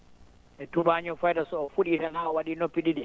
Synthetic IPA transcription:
ɛtubaɲɔfajdasɔfuɗinanaɔwaɗinɔpiɗiɗi

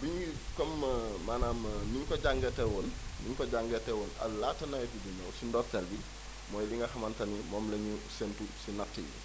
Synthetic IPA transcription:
biɲikɔmmaːnaːmniɲkɔɟaŋɡɛtɛwɔnniɲkɔɟaŋɡɛtɛwɔnɐ̰laːtːɐnɐjɛtid͡ʒuɲɔwsindɔtɐlbi | mɔːjliŋɡɐxɐmɐntɐnimɔːmlɛɲusɛntusinɐtːḭɲḭ

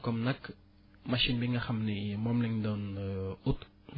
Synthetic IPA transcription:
kɔmnak | maʃinbiŋaxamnimɔmlɪŋd̪onut̪

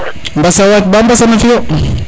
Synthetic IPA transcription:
mbasawak̚bambasanafio

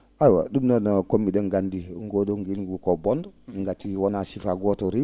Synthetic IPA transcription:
ajwa̰ɗumnanakomideŋɡandiŋɡodoŋɡilɡukobɔndŋɡatːiwonasifaɡotoɾi

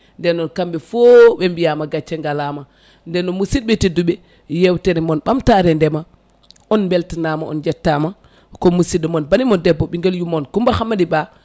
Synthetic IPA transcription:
ndɛnɔnkambɛfoɓɛmbijamaɡat͡ʃːɛŋɡalama | ndɛnːɔmusid̚ɓetiduɓɛ | jɛwtɛɾɛmɔnɓamtaɾɛndɛma | ʔɔnmbɛltanamaʔɔ̰nd͡ʒɛtːama | kɔmusidɔmɔnbanimɔndɛbːɔɓiŋɡeljumɔnkumbahamadiba

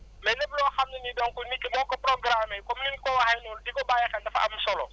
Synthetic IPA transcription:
mɛlebloxamninidɔ̃ŋkunikɛmɔkapɾɔɡɾamekommĩmkowahanoldikobaːjɛkɛdafa̰ʔa̰musɔlɔ

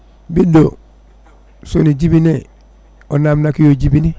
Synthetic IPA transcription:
bido | soniɟibine | onaːmnakijoɟibini

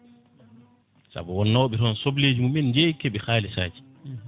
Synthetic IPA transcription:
sa̰buwɔnːawɓiɾɔnsobleːd͡ʒimumːind͡ʒɛjkːɛɓɛxaːlisa̰ːd͡ʒi̥

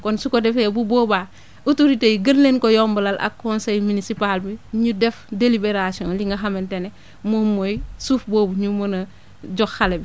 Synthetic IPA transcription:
konsukodefebuboːba | utoɾiteiɡɐnlenkojombəlalʔa̰kːonsejminisipalbiɲudefdelibeɾasiõnliŋɡɐxamentene | momojsuːfboːbuɲumonɐ | ɟoxxalebi

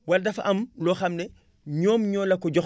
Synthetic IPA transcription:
waldɐfaʔɐmlɔxɐmnɛ | ɲɔːmɲɔːlɐkɔɟɔx

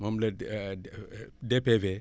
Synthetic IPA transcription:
mamlɐ | depeve

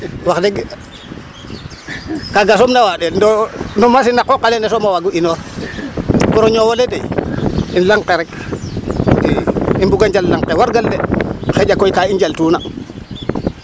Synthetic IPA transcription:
waxdɛɡ | kaɡasomnawaɗɛndɔnɔmasinakːɔkalɛnɛsomawaɡuʔino | pɔɾoɲowoledejinlaŋkeɾɛk | diimbuɡand͡ʒalːaŋqewaɾɡaldɛxed͡ʒakojkaind͡ʒaltuːna

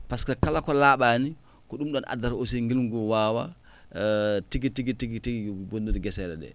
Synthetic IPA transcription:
paskakalakɔlaːɓani | kɔɗumɗɔnʔa̰daɾosiŋɡilŋɡuwaːwa̰ | tiɡitiɡitiɡitiɡibonduɾiɡɛsɛlɛ̰ɗɛ̰

